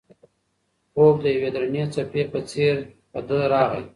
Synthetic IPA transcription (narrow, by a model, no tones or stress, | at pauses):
ok̚d̪əjawed̪ɾanet͡sapepət͡seɾ | pəd̪əɾɑɣə̰